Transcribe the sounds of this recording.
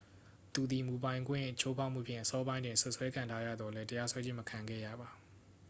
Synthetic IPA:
t̪u˨d̪ði˨mu˨bã˨ɪ̃ŋɡwɪ̰̃˦˨t͡ɕʰo˦pʰa˦ʊʔm̥ṵ˦˨pʰjɪ̰̃˦˨ʔəsɔ˦bã˦ɪ̃ndwɪ̃˨nsʊ˦ʔswɛ˦kʰã˨ntʰa˦jä̰˦˨d̪ðɔ˨lɛ˦təja˦swɛ˦d͡ʑɪ̃˦məkʰã˨ŋɡɛ̰˦˨jä̰˦˨ba˨

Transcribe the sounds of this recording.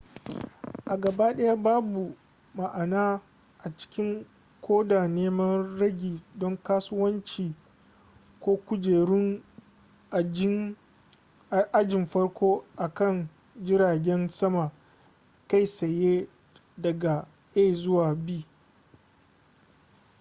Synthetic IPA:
ʔa˨ɡɐ˨ba˦ɗɐ˦ja˦baː˦bu˨ | ma˨ʔa˨naː˦ | ʔa˨t͡ʃɪ̥˦kʲɪ˦ŋ | kʰʷoː˦daː˨neː˦mɐ˦nɾɐ˦ɡʲiː˨dɔ˦ŋkaː˦sʊ˦wɐ˦nt͡ʃiː˨ | kʷoː˦kʷʊ˦d͡ʒeː˨ɾɪ˦ŋ˨˦ | ʔa˦d͡ʒɪ˨mɸɐ˦ɽkʷʰoː˦ʔa˨kɐ˦˨n | d͡ʒɪ˦ɾaː˨ɡʲɛ˦nsɐ˦ma˨ | ka˦˨jsɐ˨jeː˦ | dɐ˨ɡa˨ | ʔeː˦˨zʊ˦waː˨biː˦

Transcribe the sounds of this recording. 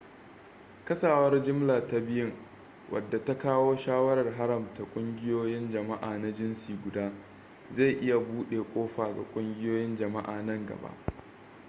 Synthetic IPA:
kɐ˦saː˨wɐ˦rd͡ʒɪ˦mlaː˨ta˦bɪ˦jɪ˦ŋ | wʔɐ̰˨dːa˨ta˦kaː˦woː˦ʃaː˦wɐ˦ɾɐ˨rɦa˦ɾɐ˨mta˨kʷʼʊ˦ŋɡʲɪ˦joː˦jɪ˦nd͡ʒɐ˨ma˦ʔaː˨na˦d͡ʒɪ˦nsiː˨ɡʷʊ˨daː˦ | za˦˨jʔɪ˦ja˨buː˦ɗeː˨kʷʼoː˦ɸaː˨ɡa̰˨kʷʼʊ˦ŋɡʲɪ˦joː˦jɪ˦nd͡ʒɐ˨ma˦ʔa̰ː˨nɐ˦ŋɡɐ̰˨ba̰˦ʔ

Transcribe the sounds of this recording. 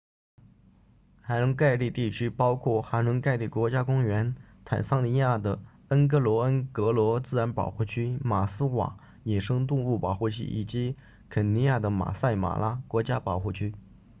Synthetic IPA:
xa˧˥ɻʊ˧˥ŋka˥˧ɪli˥˧t̪i˥˩t͡ɕʰy˥pɑ˥ʊkʰwɔ˥˩xa˧˥nɻʊ˧˥ŋka˥˧ɪli˥˩kwɔ˧˥t͡ɕja˥kʊ˥ŋɥɛ˧˥n | t̪ʰa̰˨˩nsɑ˥ŋni˧˥ja˥˩d̪ə˩ | ə˥nkɤ˥lwɔ˧˥ə˥nkɤ˧˥lwɔ˧˥t͡sɹ̩˥˩ɻa˧˥npɑ˨˩ʊxu˥˩t͡ɕʰy˥ma˨˩sɹ̩˥xwa̰˨˩ | jɛ˨˩ʂɤ˥ŋt̪̬ʊ˥˧ŋu˥˩pɑ˨˩ʊxu˥˩t͡ɕʰy̰˥ʔi˨˩t͡ɕi˧˥ | kʰə˨˩nni˧˥ja˥˩d̪ə˩ma̰˨˩sa˥˩ɪma̰˨˩la˥kwɔ˧˥t͡ɕja˥pɑ˨˩ʊxu˥˩t͡ɕʰy˥

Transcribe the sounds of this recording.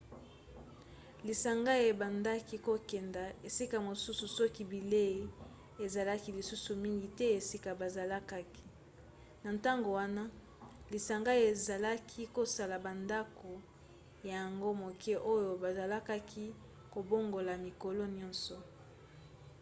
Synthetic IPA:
li˨sa˨ŋɡa˦e˨ba˨nda˦ki˦ko˦kɛ˨nda˨e˨si˦ka˨mo˨su˦su˨sɔ˦ki˦bi˨le˦i˦ | e˨za˨la˦ki˦li˨su˦su˨mi˦ŋɡi˨tɛ˦e˨si˦ka˨ba˨za˨la˦ka˦ki̥˦ | na˨nta˦ŋɡo˨wa˦na˦ | li˨sa˨ŋɡa˦e˨za˨la˦kʰi˦ko˦sa˨la˨ba˨nda˦ko˨ | ja˨ja˨ŋɡo˦mo˨kʰɛ˦ʔo˦jo˨ba˨za˨la˦ka˦kʰi˦ | ko˨bo˦ŋɡo˨la˨mi˨ko˨lo˦njɔ˦nsɔ˨

